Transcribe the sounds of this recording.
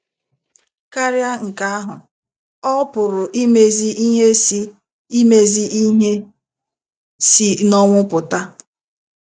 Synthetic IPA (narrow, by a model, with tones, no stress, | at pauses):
ka˦ɾja˦ŋ̩˨ka˦a˦ɦʊ˨ | ɔ˦pʊ˨ɾʊ˨ʔi˦me˦zi˦i˦ɦe˦si˦ | i˦me˦zi˦ʔi˦ɦe˦ | si˨nɔ˦ŋʷʊ˦pʊ˨ta˦